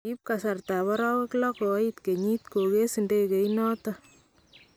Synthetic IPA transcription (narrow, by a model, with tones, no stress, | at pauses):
i˦p̚kasa˨rta˨βɔɾɔ˦we˦klɔko˨˦it̪ke˨ɲit̪̚ko˨ke˦sindeke˨inɔː˦tɔ